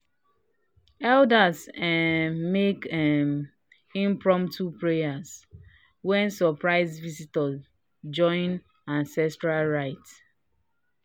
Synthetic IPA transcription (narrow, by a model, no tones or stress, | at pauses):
ɛldasɛmekɛm | ĩmpɹɔ̃mtʰupɹejas | wɛ̃nsɔpɹaɪzvisitɔ | d͡ʒɔ̃ɪ̃n | ãnsɛstɹalɹaɪt